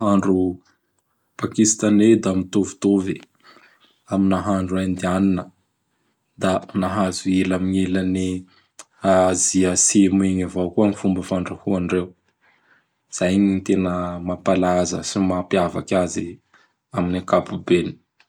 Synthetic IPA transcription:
aɳɖ͡ʐu | pakist̪aned̪amit̪ovu̥t̪ovi | aminaɦaɳɖ͡ʐuand̪ianinə | d̪anaɦazuilamiɲelani | aziəsemeɲavokuanifumbəfaɳɖ͡ʐahuaɳɖ͡ʐew | z̥ajɲit̪enəmapalazə̰simapiava̰kʲazi | aminakapubeni̥

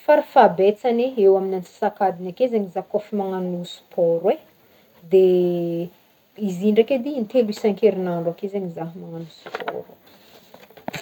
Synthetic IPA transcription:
faɾafabet͡saneewaminansi̥sakad̪inakezeɲizakofimaŋanusu̥pʰɔɾwe | d̪e | iziɳɖ͡ʐaked̪int̪eluisɛ̃ŋkeɾinaɳɖ͡ʐakezeɲizaɦmaŋanusu̥pʰɔ̰ɾu

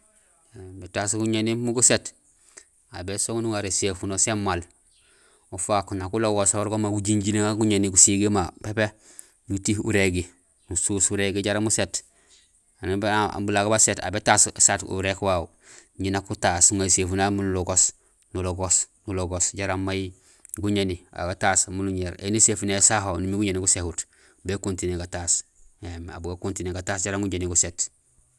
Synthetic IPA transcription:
betaskuɲenimuɡuset | a̰besoŋnuŋaɾesefunosemːal | ufakunakuloɡosawoɾɡomaɡuɟiɲɟileŋaɡuɲeniɡusiɡemapepe | nutihṵɾeɡi | nususuɾeɡiɟaɾamuset | anib̰bulaɡbaseta̰betassatṵɾekwau | ɲinakutasuŋasefunamunuloɡos | nuloɡos | nuloɡosɟaɾamaji | ɡuɲenia̰ɡataːsmunuɲeɾḛnesefunesaɦonumiɡuɲeniɡusehut | bekuntineɡataːsema̰buɡakuntineɡataːsɟaɾaŋɡuɲeniɡuset

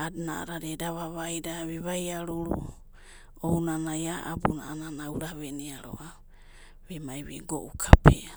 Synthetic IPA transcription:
adnaa̰ɾaɾedaβaβajdaβiβajaɾuɾṵ | ownanajaʔabuna̰ːnanauɾaβeniaɾo̰ʔa | βemajβeɡoʔukʰapʰe

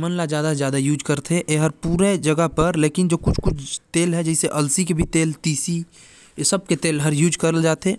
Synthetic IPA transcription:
mənlad͡ʒjaːd̪azjaːd̪ajuːd͡ʒkəɾt̪ʰeʔeɦəɾpuːɾed͡ʒəɡəɦpəɾleːkɪnd͡ʒoːkʊt͡ʃʰkʊt͡ʃʰt̪eːlɦɛd͡ʒɛɪseʔɐlsikebʱit̪eːlt̪iːsi | səb̚ket̪eːlɦəɾjuːd͡ʒkəɾəld͡ʒaːt̪eː

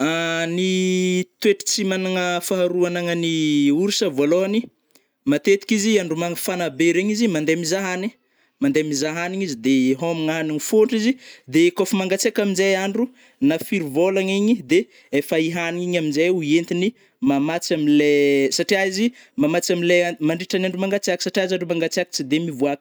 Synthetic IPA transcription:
anit̪weʈ͡ʂə̥t͡simanaŋəfaɦaɾuanaŋəniuɾisəvaloani | mat̪et̪i̥kiziaɳɖ͡ʐumaŋəfanabeɾeɲizimand̪emizaɦani | mand̪emizaɦaniɲizid̪eɦomiŋaɦaniɲifoɳʈ͡ʂizid̪ekofumaŋɡat͡siakaminzejaɳɖ͡ʐu | nafiɾivolaŋiɲid̪e | efaiɦaniɲiɲaminzajuent̪ini | mamat͡samilesaʈ͡ʂiaizimamat͡samilemaɳɖ͡ʐiʈ͡ʂanaɳɖ͡ʐumaŋɡat͡siaki̥saʈ͡ʂiazaɳɖ͡ʐumaŋɡat͡siaki̥t͡sid̪emivuak

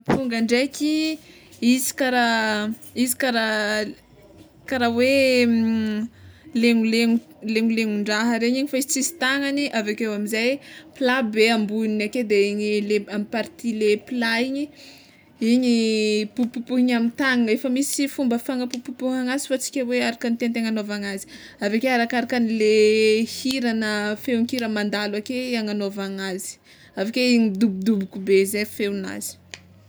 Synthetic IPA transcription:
fuŋɡaɳɖ͡ʐekʲʰi | izi̥kaɾa | izi̥kaɾa | kaɾawe | leŋuleŋu | leŋuleŋuɳɖ͡ʐaɦəɾeɲiɲifaizit͡sizi̥t̪aŋaniʔavakewamizajpilabeambuninaked̪eiɲileamipaɾt̪ilepilaiɲi | iɲipupupuiɲamit̪aŋefəmisifumbəfaŋəpupupuhaŋazi̥fat͡si̥kʲeweaɾakanit̪ent̪eŋanovaŋazi̥ | avakeaɾakaɾakanilehiɾanəfewŋkiɾəmand̪alwakeaŋanovaŋazi̥ | avakeiɲid̪ubud̪ubukubezefewna̰zi̥

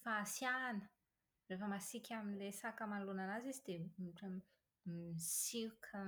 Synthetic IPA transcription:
faːsjanə̥ | refəmasikʰʲaminilesakəmalunanazizid̪eʈ͡ʂə | misiukʰə

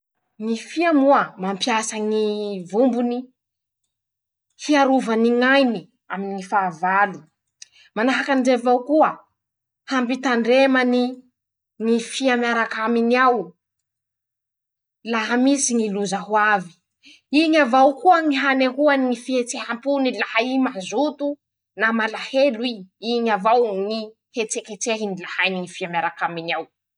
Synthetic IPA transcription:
ŋifiamuamampjasəŋivumbuni | hiaɾuvaniŋajni | aminŋifaːvali | manaɦakanizevawkuə | hambit̪aɳɖ͡ʐemani | ŋifiamiaɾakaminiaw | laɦamisiŋiluzaɦwavi̥ | iɲavawkuəŋiɦaneɦuaniŋifihet͡sehampunilahaimazut̪u | namalaheluwiiɲavawŋi | het͡seket͡seɦinilahajniŋifiamjaɾakaminiaw

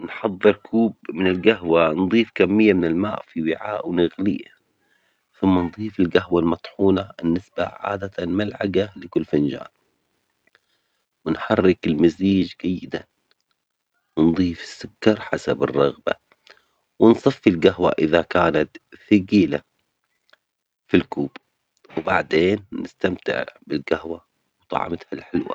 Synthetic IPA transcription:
nħɑðˤːɨɾkʰuːbmɪnɪlɡaɦwanðˤiːfkamːɪjːamɪnɪlma̰ːʔfiwɪʕaːʔwnaɣlɪːa | θʊmːanðˤiːfɪlɡaɦwalmɑt̪ˤħuːnabɪnːɪsba̰ʕa̰ːd̪at̪anmalʕaɡalɪkʊlːfand͡ʒa̰ːn | wɪnħɑrːɪkɪlmaziːd͡ʒɡajːɪd̪a | wɪnðˤiːfɪ̥sːʊkːɑɾˤħasabɨ̰rˤːɑɣba̰ | wɪnsˤɑfːilɡahwa̰ʔɪðakaːnat̪θaɡiːla | filkuːb | wbaʕd̪eːnːɪst̪amt̪ɪ̰ʕbɪlɡahwa | wt̪ˤɑ̰ʕ̰mt̪halħɪlwa̰

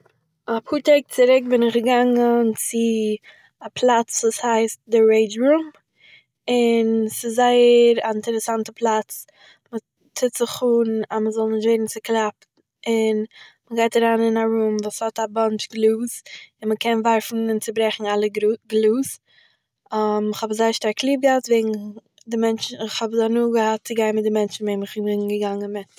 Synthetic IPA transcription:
ɔphuːteɪk̚t͡sɪɾɪk̚bɪnɪχɡəɡaŋənt͡sɪ | apʰlˠat͡svuːshaɪst̚dəɹeɪd͡ʒɹuːm | ɪnsɪzzaɪəɾaɪntəɾɛsantəpʰlˠat͡s | mə | tɪtz̥ɪχuːnaməzɔlˠnɪʃtveɪdn̩t͡sɪklˠap | ɪnməɡaɪtaɾaːnɪnaɾuːmvuːshɔtabant͡ʃɡlˠuːsɪnməkʰɛnvaɾfn̩ɪnt͡səbɾɛχn̩alˠəɡluːs | amɪχhɔbzaɪəɾʃtaɾklˠiːp̚ɡəhatveːɡŋ̩ | dɪmɛnt͡ʃn̩ɪχhɔbzanuːɡəhat̚t͡sɪɡaɪnmɪt̚dɪmɛnt͡ʃn̩veɪmɪχɪnvɪɡəɡaŋənmɪt

